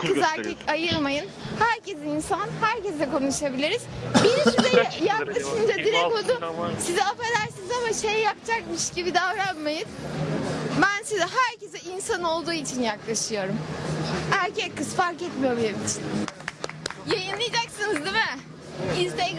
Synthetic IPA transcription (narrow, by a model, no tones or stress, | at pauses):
kʰɯzaɾkikajɯɾmajɯnhæɾcʰezinsanhæɾcezɛko̞nuʃabilʲiɾiz̥binsizɛjaklˠaʃɯnd͡ʒad̪iɾɛod̪ʊsizɛafad̪aɾsɯnɯzamaʃejɛjap̚t͡ʃʰakmɯʃɟibid̪avɾanmajɯn | bænsizɛɦæɾcesɛinsano̞lˠd̪uːit͡ʃʰinjaklˠaʃɯjo̞ɾumhæɾcɛkːɯzfaɾkɛt̪mijobilʲemit͡ʃʰin | jajɯnlˠɯjd͡ʒaksɯnɯzd̪imɪ | izt̪ɛ